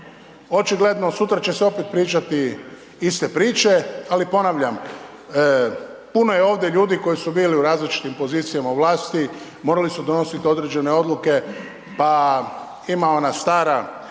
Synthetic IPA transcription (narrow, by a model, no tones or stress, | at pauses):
o̞t͡ʃiɡle̞d̪no̞sut̪ɾat͡ʃe̞seo̞pet̪̚pɾiːt͡ʃat̪i | ist̪e̞pɾiːt͡ʃe̞alipo̞naʋʎam | puno̞jeo̞ːʋd̪je̞ʎuːd̪iko̞jisubiːliuɾaːzlit͡ʃi̥t̪impo̞ziːt̪sijamauʋlaːst̪i | moɾalisud̪o̞no̞sit̪io̞d̪ɾed͡ʒe̞ne̞o̞d̪lˠuke̞ | pa | imao̞nast̪aːɾa